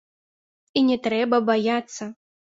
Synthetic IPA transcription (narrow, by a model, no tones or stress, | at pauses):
inʲɛt̪ɾɛbɐbajat̪sːɐ